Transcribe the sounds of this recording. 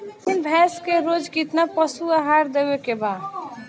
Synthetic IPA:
p̪ɪnbʱɛskeɾod͡ʒkit̪napəsuaɦaɾd̪ewekeba

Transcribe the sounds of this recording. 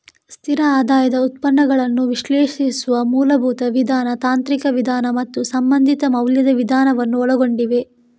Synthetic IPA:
st̪ʰiɾɐaːd̪aːjɐd̪ɐut̪̚pɐnːɐɡɐɭɐnːuʋiʃlɛːʃisuʋɐmuːlɐbʱuːt̪ɐʋid̪ʱaːnɐt̪aːnt̪ɾikɐʋid̪ʱaːnɐmɐt̪ːusɐmbɐnd̪ʱit̪ɐmɐwljɐd̪ɐʋid̪ʱaːnɐʋɐnːuɔɭɐɡo̞ɳɖiʋe̞

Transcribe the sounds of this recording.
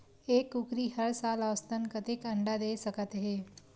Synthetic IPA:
eːkukɾiɦəɾsaːləʋst̪ənkət̪ekɐ̃ɳɖad̪eːsəkət̪ɦeː

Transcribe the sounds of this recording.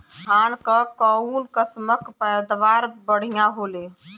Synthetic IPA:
ɦaːnkəkəunkəsməkpɛːd̪ʋaːɾbəɽ̤ijãɦoːle

